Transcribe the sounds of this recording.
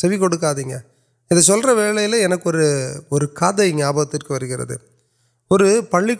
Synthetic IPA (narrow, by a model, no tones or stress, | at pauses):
sɛʋɪkɔɽɯk̬ːaːðiːŋɡɐ | ɪðɐsɔlrɐʋeːɭɐjɪlɐɛnɐkːɯɔɾɯɔɾɯkaːðɐɪŋɡɐaːbɐɐt̪ːɪrkːɯʋɐɾɯɣɪrɐ̰ðɯ̰ | ɔɾɯpɐɭːɪk